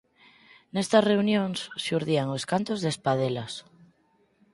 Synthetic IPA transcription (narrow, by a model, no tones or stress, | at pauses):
nest̪are̞unjõŋsːeuɾðiaŋoskant̪ozðespað̞elas